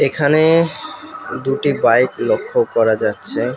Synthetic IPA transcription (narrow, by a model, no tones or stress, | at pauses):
ekʰane | d̪uʈibajklokʰːokɔɾad͡ʑatːɕʰe